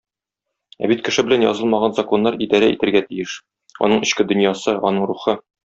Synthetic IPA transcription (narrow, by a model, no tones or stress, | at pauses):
æ̰bit̪̚kɘ̆ʃɘbɘ̆lænjɒ̰zɤlˠmɑʁɑnzɐko̞nːɑɾid̪ɑɾæḭt̪ɘ̆ɾɡæt̪ijɘʃ | ɒ̰nɤɴɘ̆ɕkɘd̪ɵ̆njɑsɤɒ̰nɤɴɾuχɤ